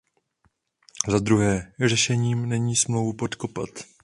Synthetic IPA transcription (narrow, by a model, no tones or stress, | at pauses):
zad̪ɾuɦɛːrɛʃɛɲiːmnɛɲiːsmlowvupo̞t̪ko̞pat̪